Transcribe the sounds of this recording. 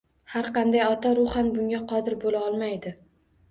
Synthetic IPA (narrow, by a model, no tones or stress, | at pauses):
haɾqɑnd̪ajɒt̪ʰaɾʊχanbʊŋɡʲaqʰɒd̪ɪɾbolaɒlˠmajd̪ɪ